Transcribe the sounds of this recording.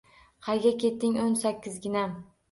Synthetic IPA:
qʰɑjɡʲakʲʰe̞t̪ːɪŋonsakʲːɪzɡʲɪnam

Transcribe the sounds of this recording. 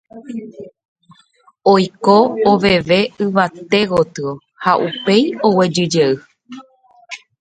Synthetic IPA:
ojkoːʋe̞ʋe̞ɨʋat̪e̞ɣo̞t̪ɨo̞ | haʔupe̞jo̞we̞d͡ʒɨd͡ʒeɨ

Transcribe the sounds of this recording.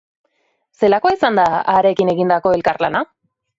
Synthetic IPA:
se̞lakoaisand̪aaɾe̞kine̞ɣind̪ako̞e̞lkaɾlana

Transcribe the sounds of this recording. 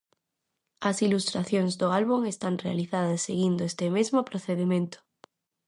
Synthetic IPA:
ɐsilust̪ɾaθjonzðoalβuŋest̪anrealiθaðɐsːeɣ̞ind̪oest̪emezmopɾoθeðemẽnt̪ʊ̥

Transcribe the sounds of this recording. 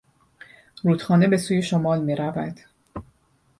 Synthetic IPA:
ɾuːt̪xɒːne̞be̞suːje̞ʃomɒːlmiːɾævæd̪̥

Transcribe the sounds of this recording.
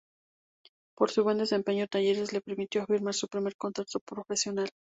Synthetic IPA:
po̞ɾsuβwe̞nd̪e̞se̞mpe̞ɲot̪aʝe̞ɾe̞zle̞pe̞ɾmit̪joafiɾmaɾsupɾime̞ɾko̞nt̪ekt̪opɾo̞fe̞sjo̞nal

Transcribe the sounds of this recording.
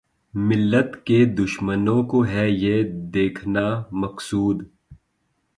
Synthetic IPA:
mɪlːət̪ked̪ʊʃmənõkoɦɛjed̪eːkʰnamɐqsuːd̪

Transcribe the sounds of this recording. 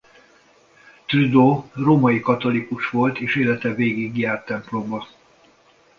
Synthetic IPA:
t̪ryd̪oːroːmɒjikɒt̪o̞likuʃʋo̞lt̪eːʃeːlɛt̪ɛveːɡiɡjaːrt̪ːɛmplobɒ

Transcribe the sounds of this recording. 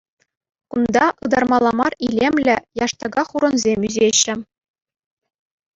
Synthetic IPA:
kund̪ɑʔɯd̪ɑrmɑlˠːɑmɑrilʲemʲlʲɘ̆jɑʂt̪ɑɡɑχuɾɤ̆nzʲemʲyzeɕːɘ̆

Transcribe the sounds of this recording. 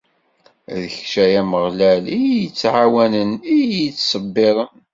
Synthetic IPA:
ðəçʃæjæməʁlælijət͡sːʕawænənijət͡sːsˤəbːɪɾˤən

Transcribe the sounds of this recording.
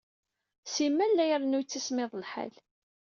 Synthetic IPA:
simːælːæjəɾˤnujt͡sːismɪðˤlħa̰l

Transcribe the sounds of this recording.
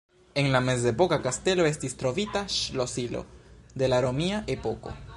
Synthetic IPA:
e̞nlame̞zepo̞kakaste̞lo̞e̞stistɾo̞vitaʃlosilo̰de̞laɾo̞miaʔepo̞ko̞̰

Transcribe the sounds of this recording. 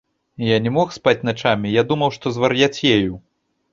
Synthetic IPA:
janʲɛmɔxspat͡sʲnat͡ʂamʲijad̪umɐwʂt̪ɔzvarjat͡sʲjeju

